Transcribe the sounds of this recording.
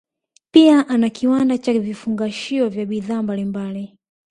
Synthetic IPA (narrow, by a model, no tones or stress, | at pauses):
piaʔanakiwandat͡ʃavifuŋɡaʃiɔvjaɓiðaːmbalimbali